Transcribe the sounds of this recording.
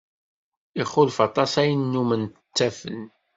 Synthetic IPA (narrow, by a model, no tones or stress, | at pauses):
iχʊlfɑt̪ˤɑsæjənːumənt̪ət͡sːæfən